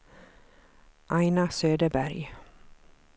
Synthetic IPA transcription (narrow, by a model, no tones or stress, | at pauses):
ʔɑɪnɑsøːd̪əbæɾj